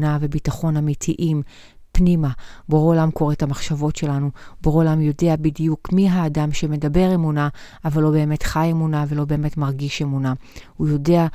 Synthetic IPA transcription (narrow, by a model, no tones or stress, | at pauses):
nave̞bitaχo̞namitʰiʔim | pnimaboolamko̞ʁetamaχʃavo̞tʃe̞lanuboʁolamjo̞deabidijukmiɦaːdamʃe̞me̞dabe̞ʁe̞muna | avalːobe̞ːme̞tχajemunave̞lo̞be̞ːme̞tmaʁɡiʃe̞munahujo̞de̞a